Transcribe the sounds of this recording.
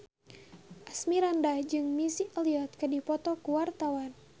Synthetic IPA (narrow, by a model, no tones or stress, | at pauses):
ʔasmiɾandad͡ʒɨŋmisiəliɔt̪̚kədipɔt̪ɔkuwart̪awan